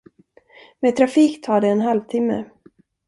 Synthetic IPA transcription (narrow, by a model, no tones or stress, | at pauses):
meːt̪ʰɾafiːkt̪ʰɑːɖɛɛnɦalvt̪ʰɪmːə̰